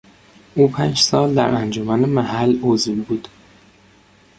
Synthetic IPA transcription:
ʔuːpʰænd͡ʒsɒːld̪æɾʔænd͡ʒomænemæhælːozlbuːd̪̥

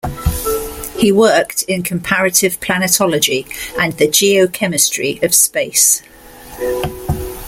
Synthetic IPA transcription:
hiwɜˑktʰɪ̃nkʰə̃mpʰaɹətɪv̥pʰl̥anɪtʰɒləd͡ʒiə̃nðəd͡ʒiːəʊkʰɛmɪstɹ̥iəv̥speɪs

